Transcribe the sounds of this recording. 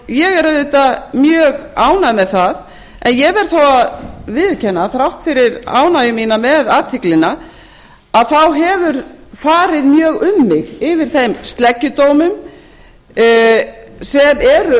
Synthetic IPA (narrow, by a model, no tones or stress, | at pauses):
jɛɣɛɾaðʏt̪amjœːɣaːwnaðmɛðθað | ɛnjɛɣvɛɾ̥θawaðvɪðcʰɛnːaθɾawht̪fɪɾɪɾa̰ːwnajʏminamɛðaːt̪ʰɪklɪna | aðθawɦɛvʏɾ̥faːɾɪðmjœːɣʏmːɪɣɪvɪɾ̥θejmst̪lɛcːʏt̪owmʏm | sɛmɛɾʏ